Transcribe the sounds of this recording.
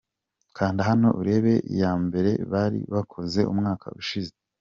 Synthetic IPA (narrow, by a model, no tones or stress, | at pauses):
kʰaːndihano̞ʔuɾe̞ːβe̞ʔḭjaːmbe̞ɾe̞̰βaɾḭβakʰo̞ze̞ṵmŋaːkʰa̰uʃize